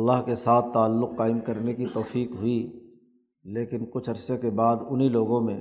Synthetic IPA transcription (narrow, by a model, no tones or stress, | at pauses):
ɐlːaɦkesaːt̪̚ʰːaːlːʊqːaːɪmkɐɾnekit̪ɔːfiːqɦʊi | leːkɪnkʊt͡ʃʰɐɾsekebaːd̪ʊnɦiloːɡõmẽ